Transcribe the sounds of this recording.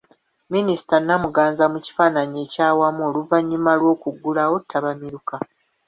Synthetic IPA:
minisi̥tanːamuɡaːnzamuci̥faːnaɲe̞ːcaːwamuo̞ːluvaɲːumalwo̞ːkuɡːulawo̞tʰːaβamiɾuka

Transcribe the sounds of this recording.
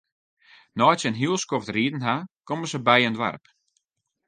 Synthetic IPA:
nɔjsənɦyəlˠskɔftriədn̩ɦakoməsəbɛjəndʋa̰rp

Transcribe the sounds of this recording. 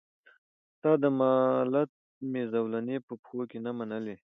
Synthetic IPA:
t̪ɑd̪əmɑlat̪̚ | mezawlanepəpxokenamanəle

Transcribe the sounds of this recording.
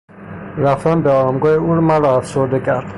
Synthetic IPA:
ɾæft̪ænbeɒmɡɒːjeuɾmæɾɒæfsoɾd̪ecʰæɾd̪̥

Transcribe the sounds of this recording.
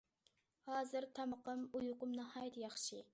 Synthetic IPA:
hɑːzɨɾt̪ʰɑməqəmujuqʊmnɑhɑːjt̪ʰjɑχʃi

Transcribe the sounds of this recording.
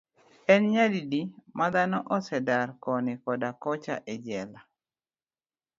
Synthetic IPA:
ɛnɲadidimad̪anɔʔɔsɛdarkɔnɪkɔdakɔt͡ʃa̰ʔed͡ʒɛla

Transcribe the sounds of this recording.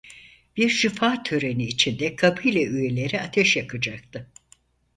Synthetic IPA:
b̥iɾʃifaːt̪ʰøɾe̞niːt͡ʃʰind̪ɛkʰapʰɯjlʲɛyje̞lʲe̞ɾiat̪ʰɛʃjakʰɯd͡ʒak̚t̪ʰɯ

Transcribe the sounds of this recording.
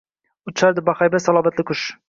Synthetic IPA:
ʊt̪ʰɪ̥ʃaɾd̪ɪbaχajbasalˠɒːmat̪lɪkʰʊʃ

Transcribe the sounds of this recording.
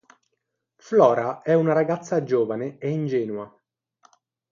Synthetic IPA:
flɔːɾaɛunaɾaɡat̪sːad͡ʒoːvaneeind͡ʒɛːnua

